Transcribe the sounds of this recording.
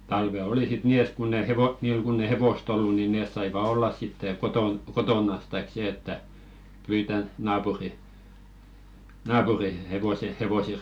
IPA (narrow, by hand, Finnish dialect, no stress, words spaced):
tɑlʋe oli sit niː et kunː e heʋo niːl kunː eĭ heʋost olːu ni neˑs sɑiʋɑ olːɑs sitːeˑ koton kotoˑnɑs tɑik seː etːæ pyitɑ nɑːpuri nɑːpuri heʋose heʋose